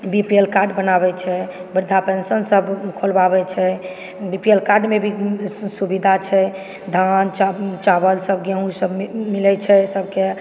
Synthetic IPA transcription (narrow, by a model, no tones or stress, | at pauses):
bipielkaɾɖbənabɛt͡ʃʰɛbəɾd̪ʱapensənsəbkʰolbabɛt͡ʃʰɛ | bipielkaɾɖmebʱisubid̪ʱat͡ʃʰɛ | d̪ʱant͡ʃt͡ʃabəlsəbɡẽũsəbmilɛt͡ʃʰɛsəbke